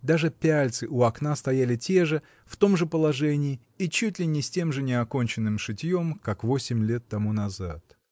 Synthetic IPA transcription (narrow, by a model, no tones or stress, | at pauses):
d̪aʐɨpʲælʲt̪sɨʔʊɐknast̪ɐjælʲɪtʲe̞ʐɨ | ft̪o̞mʐɨpəlˠɐʐɛnʲɪː | it͡ɕutʲlʲɪnʲɪsʲtʲe̞mʐɨnʲɪɐko̞nʲt͡ɕɪnːɨmʂɨtʲjo̞mkakvo̞sʲɪmʲlʲe̞t̪ːɐmunɐza̰t̪